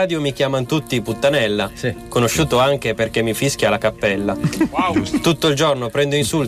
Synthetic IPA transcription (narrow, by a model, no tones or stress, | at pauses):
aːd̪jomik̟jaːmant̪ut̪ːiput̪ːanɛlːakonoʃːuːt̪oaŋk̟eperk̟emːifisk̟jalakapːɛlːa | t̪ut̪ːoild͡ʒornopɾɛnd̪oinsul